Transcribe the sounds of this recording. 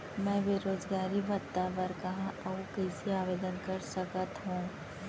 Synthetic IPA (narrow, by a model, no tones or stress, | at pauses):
mɛ̃ːʋeɾoːd͡ʒɡaːɾiʋɐt̪ːaʋɐɾkɐɦãʔɐukɛːsiaːʋeːd̪ənkɐɾsəkət̪ɦũː